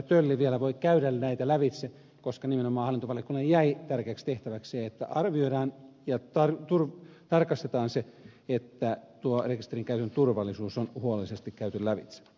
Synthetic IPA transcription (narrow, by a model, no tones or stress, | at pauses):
t̪ølːiʋielæʋoikæyɾælnæit̪ælæʋit̪se | koskɑnimenomɑːhɑlːint̪oʋɑljɑkunːɑjjæit̪ærkeækst̪eht̪æʋækseːet̪ːæ̰ʔɑrʋioiɾɑːnjɑt̪ɑrt̪urt̪ɑrkɑst̪et̪ɑːnseet̪ːæt̪uorekist̪eriŋkæyt̪ønt̪urʋɑlːˑisuːsonhuolelisest̪ikkæyt̪øllæʋit̪se̥